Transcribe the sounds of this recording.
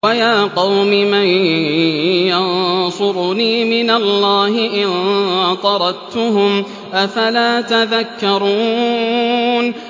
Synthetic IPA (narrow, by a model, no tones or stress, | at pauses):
wajaːqɑwmɪman | jɑnsˤʊɾniːmɪnalːaːɦɪʔɪnt̪ˤɑɾˤɑt̪ʊɦʊm | ʔafalaːt̪aðakːɑɾˤuː | n